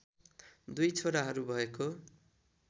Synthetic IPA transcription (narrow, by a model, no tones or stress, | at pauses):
d̪ujt͡sʰoɽaɦʌɾubʱʌeko